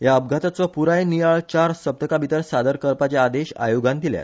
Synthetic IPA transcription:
jaəb̚ɡʱat̪at͡sɔpuɾajnijaɭt͡ɕaɾsəb̚t̪əkabit̪əɾsad̪əɾkəɾpat͡ɕaːd̪eɕa̰joɡãnd̪ilja̰t̪

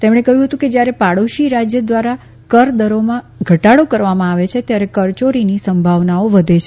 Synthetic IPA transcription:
t̪emɽ̃ekəɦjũɦət̪ũked͡ʒjaɾepaɽoʃiɾad͡ʒjəd̪ʋaɾa | kəɾd̪əɾomã | ɡʱəʈaɽokəɾʋamãaʋet͡ʃʰet̪jaɾekəɾt͡ʃoɾinisəmbʱaʋnaoʋəd̪ʱet͡ʃʰe

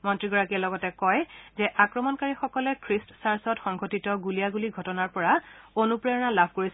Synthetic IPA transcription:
mɔntɹiɡɔɹakiɛlɔɡɔtɛkɔjzɛʔakɹɔmɔnkaɹixɔkɔlɛkʰɹistsaɹsɔtxɔŋɡʱotitɔɡulijaɡuliɡʱɔtɔnaɹpɔɹaonupɹɛɔnalabʱkoɹis

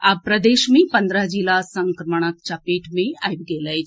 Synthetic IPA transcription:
apɾəd̪eːʃmẽpɐnd̪ɾəɦd͡ʒilasəŋkɾəməɽ̃ək̚t͡ʃapeːʈmẽajp̚ɡeːləj

